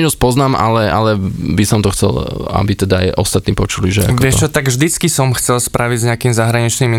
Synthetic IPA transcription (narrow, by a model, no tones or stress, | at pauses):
ɔspɔznaːmʔa̰lɛa̰lɛbisɔmt̪ɔxt͡sɛ̰la̰bit̪ɛd̪aajʔɔ̰st̪at̪niːpɔt͡ʃuliʒɛa̰kʋɪɛt͡ʃɔt̪aɡvʒd̪it͡skisɔmxt͡sɛlspɾʔaʋiɟzɲɛakiːmzaɦɾaɲit͡ʃnim